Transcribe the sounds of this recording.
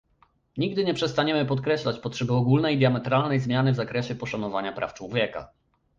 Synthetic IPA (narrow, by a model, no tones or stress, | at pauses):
ɲiɡd̪ɘɲɛpʂɛst̪aɲɛmɘpɔt̪̚kɾɛɕlat͡ɕpɔtʂɛbɘɔɡulnɛjd̪ʲjamɛt̪ɾalnɛjzmjanɘvzakɾɛɕɛpɔʂanɔvaɲapɾʔa̰ft͡ʂwɔvʲjɛka̰